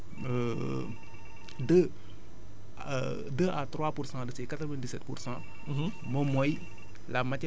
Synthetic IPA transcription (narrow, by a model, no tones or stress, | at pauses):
ə | də | dəʔat̪ɾwapuɾsãdəsɛkat̪ɾəvɛ̃ndisɛt̪pṵɾsã | momɔj | lamatɛ